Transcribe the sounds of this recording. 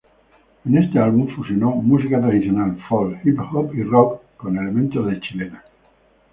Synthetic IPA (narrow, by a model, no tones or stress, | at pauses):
enest̪ealβuɱfusjonomusikat̪ɾaðiθjonalfolhiphopirokkone̞lemẽnt̪ozðet͡ʃilena